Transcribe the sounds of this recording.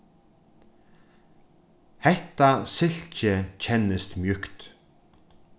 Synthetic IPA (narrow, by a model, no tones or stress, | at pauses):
hɛht̪asɪl̥t͡ʃɪcʰɛnɪst̪mjʏkt̪